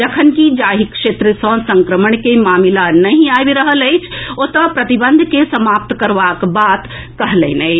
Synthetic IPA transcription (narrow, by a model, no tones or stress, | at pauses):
d͡ʒɐkʰənkid͡ʒaːɦikʃeːt̪ɾəsɔːnsɐ̃ŋkɾəməɳkemaːmɪlanɐɦĩaːʋeɾɐɦələit͡ʃʰoːt̪ɐpɾɐt̪ibə̃nd̪ʱkesɐmaːp̚t̪kɐɾʋakbaːt̪ | kɐɦlḛnɐt͡ʃ